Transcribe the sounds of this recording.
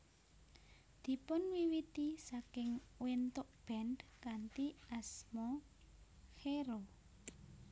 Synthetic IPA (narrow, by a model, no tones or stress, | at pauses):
d̪̥i̤pʊnwiwit̪isakɪŋwent̪ʊʔb̥ɛndkant̪iasmɔ | xeɾo